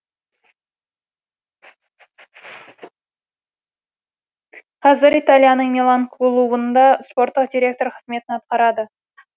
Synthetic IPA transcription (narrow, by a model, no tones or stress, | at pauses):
qʰɑzɪɾit̪alʲˠjanəɴmʲelˠaŋk̪ʰlˠubənd̪ɑspo̞ɾt̪ːəqd̪ʲiɾʲe̞k̚t̪o̞ɾqʰəzme̞t̪ɪnɑt̪̚qɑɾɑd̪ə